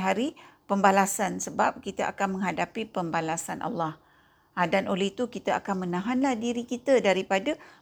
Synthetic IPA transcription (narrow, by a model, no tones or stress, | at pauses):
ɦaɾipəmbalasansəbap̚kit̪əʔa̰kanmə̃ŋɦadapipəmbalasanʔa̰lːah | ʔadanʔoleht̪ukit̪əʔa̰kanmə̃nãɦanlahdiɾikit̪ədaɾipada